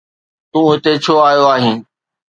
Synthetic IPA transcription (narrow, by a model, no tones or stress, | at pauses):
t̪ũːɦɪt̪et͡ɕʰoːaːjoaːɦĩ̆ː